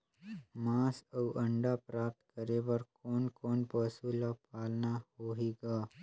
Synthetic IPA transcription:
mãːsɐwʔɐ̃ɳɖapɾaːp̚t̪kəɾebəɾkɔːnkɔːnpəsulapaːlnahoːɦeːɡaː

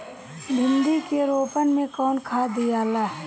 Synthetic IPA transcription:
bʱɪ̃nd̪ikeɾoːpənmẽkɔːnkʰaːd̪ijaːlaɦɛ

